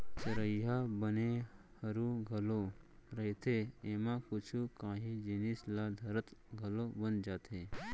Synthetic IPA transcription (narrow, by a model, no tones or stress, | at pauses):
t͡ʃɐɾəjabəne | hɐɾuɡʱɐloɾɐɦit̪ʰeeːmãkʊt͡ʃʰukãːɦĩd͡ʒinislad̪ʱɐɾət̪ɡʱɐlobɐnd͡ʒaːt̪ɦe